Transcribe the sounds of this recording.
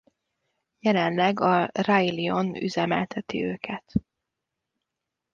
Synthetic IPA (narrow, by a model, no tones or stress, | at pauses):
jɛlɛnlɛɡɒrailio̞ny̰zɛmɛ̰lt̪ʰɛt̪ḭøːkʰɛt̪